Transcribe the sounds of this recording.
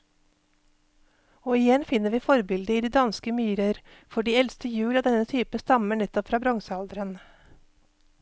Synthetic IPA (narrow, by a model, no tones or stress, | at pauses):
oːɪjɛnfɪnəʋiːfɔɾbɪld̪əiːd̪iːd̪ɑnskəmyːɾəɾfɔɖiːɛlst̪əjʉːlɑːd̪ɛnət̪ʰyːpəst̪ɑməɳɛt̪ːɔpfɾɑːbɾɔŋsəɑld̪ɾən